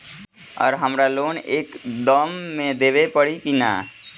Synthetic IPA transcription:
ɔ̰ːɾɦəmɾaloːneːkd̪ɔːmːẽd̪eːʋepəɽikina̰ː

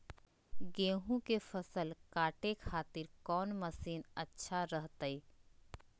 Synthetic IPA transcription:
ɡẽːɦũkefəsəlkaːʈekʰaːt̪ɪɾkɔːnməsiːnɐtːʃʰaɾəɦt̪ːiː

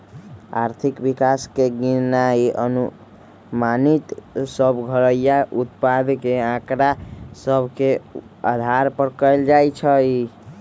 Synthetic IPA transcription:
a̰ɾt̪ʰikbikaskeɡinaiʔənu | manit̪səbʱɡʱəɾəjaʔut̪pad̪keãkɾasəbʱke | a̰d̪ʱaɾpəɾkəjld͡ʒajt͡ʃʰəi

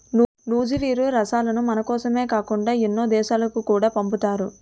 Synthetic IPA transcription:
n | nuːd͡ʒiʋiːɾuɾɐʃaːlɐnumɐnɐkɔːsɐme̞ːkaːkuɳɖaːenːoːd̪ɛːʃaːlɐkukuːɽaːpɐmput̪aːɾu

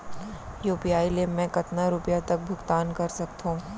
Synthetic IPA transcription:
juːpijaːilemɛ̃kɐt̪naɾʊpjat̪ɐk̚bʱʊɡt̪aːnkɐɾsɐkt̪õː

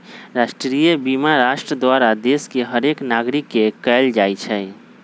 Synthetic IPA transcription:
ɾaʃʈɾɾijəbimaɾaʃʈɾəd̪ʋaɾad̪eskeɦəɾeknaɡɾikːekəjld͡ʒajt͡ʃʰɛj

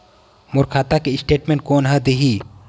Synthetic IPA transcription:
moɾkʰaːt̪akeɪsʈeːʈmẽːɳʈ̚koːnɦəd̪eɦiː

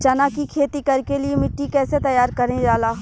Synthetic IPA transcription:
t͡ʃɐnaːkikʰeːt̪ikɐɾkeliemɪʈːikɛːset̪ɐjaːɾkɐɾnẽd͡ʒaːlaːɦ

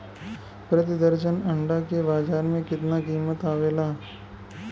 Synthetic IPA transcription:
pɾɐt̪̬ɪd̪əɾʃənɐ̃ɳɖakebaːd͡ʒaːɾmẽkɪt̪nakiːmət̪aːʋeːlaː

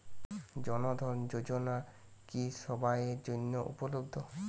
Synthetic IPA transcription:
d͡ʑɔnod̪ʱɔɾnd͡ʑod͡ʑona | kiʃɔbajeɾd͡ʑonːoʔṵpolobd̪ʱo

